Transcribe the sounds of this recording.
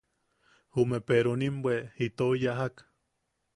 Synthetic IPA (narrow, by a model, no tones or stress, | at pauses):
humepeɾonimbweit̪ojaɦak